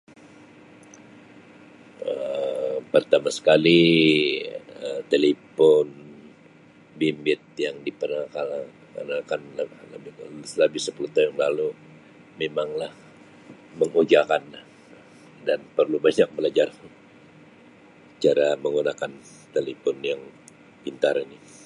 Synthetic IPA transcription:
əpərt̪amasə̥kali | ət̪elefɔn | bimbɪt̪̚jaŋdipərnaŋakala | a̰nakanlləbɪsləbɪhsəpulut̪aʊŋlalu | memaŋlah | məŋud͡ʒakanah | danpərlubaɲak̚bəlad͡ʒar | t͡ʃaɾaməŋunakan | t̪elepɔnjaŋ | pint̪aɾini

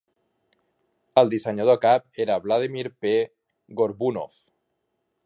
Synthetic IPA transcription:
əld̪iseɲað̞okap̚eɾaβlaðimiɾpe | ɣoɾβuno̰f

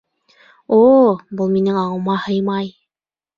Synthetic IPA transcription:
obulˠminɘŋɑʁɤ̆wmɑhɤjmɑj

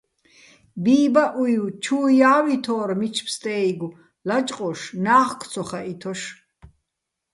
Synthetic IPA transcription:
biːbaʔujwt͡ʃʰuːjaːwit̪ʰɔːɾmit͡ʃʰpst̪ʼɛːiɡu | lat͡ʃʼqʼɔʃnaːχkʰt̪t͡sʰɔχaʔit̪ʰɔʃ

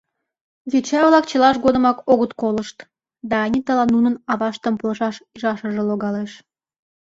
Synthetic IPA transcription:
vet͡ɕɑβlɑk̚t͡ɕəlɑʃɡod̪əmɑkoɣət̪koləʃt̪ | d̪ɑːnʲit̪əlɑnunənɑβɑʃt̪əmpolʃɑʃiʒɑʃəʒeloɣɑleʃ

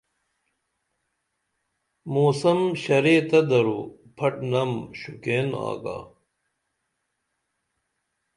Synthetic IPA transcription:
moːsɐmɕɐɾeːt̪ɐd̪ɐɾuː | pʰɐʈnɐmɕukeːna̰ːka̰ː

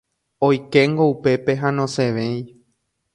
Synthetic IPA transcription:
ojke̞ŋɡoupe̞pe̞ɦãnõ̞seʋẽ̞j̃

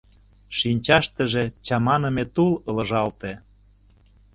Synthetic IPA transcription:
ʃinʲt͡ɕɑʃt̪ə̆ʒet͡ɕɑmɑnə̆met̪ulɤ̆lɤ̆ʒɑlt̪ĕ

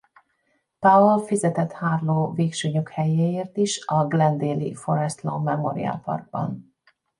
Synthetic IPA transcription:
paolfizɛt̪ɛt̪haːrloːveːkʃøːɲøkhɛjeːeːrt̪iʃɒɡlɛnd̪eːlḭfo̞ɾɛst̪lomːɛmoɾḭa̰lpɒ̰rɡ̚bɒ̰n

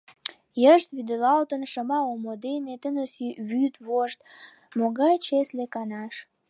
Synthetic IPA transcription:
jəʃt̪βyd̪əlɑlt̪ənʃəmɑomod̪enet̪ənəsβyt̪βoʃt̪ | moɣɑjt͡ɕeslekɑnɑʃ

